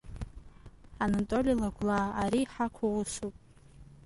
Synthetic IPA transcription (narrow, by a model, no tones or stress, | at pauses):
anatʼolʲilaɡʷlaaɾiːħakʷʰawusupʼ